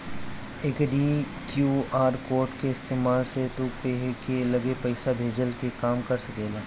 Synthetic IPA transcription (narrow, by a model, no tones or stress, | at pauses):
ekɾiː | kjuːaːɾkoːɾʈkeɪst̪eːmaːlset̪okeɦkelɐɡepɐɪsabʱeːd͡ʒəlkekaːmkɐɾsɐkeːlaː